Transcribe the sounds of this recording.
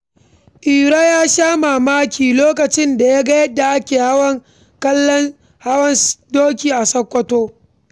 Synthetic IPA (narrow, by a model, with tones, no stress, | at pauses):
ʔiː˨ɽa˦jaː˦ʃaː˦ma˨maː˦kʲiː˨loː˦kɐ˨t͡ʃɪ˦nda˨ja˦ɡɐ˦jɐ˦da˨ʔa˦kʲeː˨ha˦wɐ˦ŋ | kɐ˦lːɐ˦n | ha˦wɐ˦ndoː˦kʲiː˨ʔa˨sɐ˦kʷːɐ˦toː˦